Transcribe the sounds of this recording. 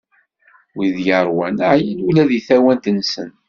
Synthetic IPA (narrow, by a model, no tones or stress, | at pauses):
wiðjəɾˤwænəʕjənulæðiθæwænt̪nsə̰n